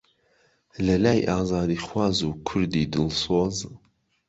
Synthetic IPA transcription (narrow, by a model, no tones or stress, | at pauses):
lɐlaːjʔaːzɑːd̪iːχwɑːzuːkʰʊɾd̪iːd̪ɨlsoːz